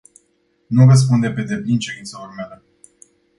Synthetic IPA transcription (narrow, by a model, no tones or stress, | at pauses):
nurəs̬pund̪e̞pe̞d̪e̞plint͡ʃeɾint̪səlormealə